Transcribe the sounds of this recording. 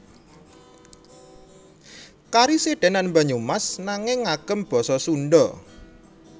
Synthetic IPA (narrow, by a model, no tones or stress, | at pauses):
kaɾiseɖ̥ɛ̤nanmbaɲumasnaŋɪŋːaɡ̥ə̤mb̥ɔ̤sɔsuɳɖɔ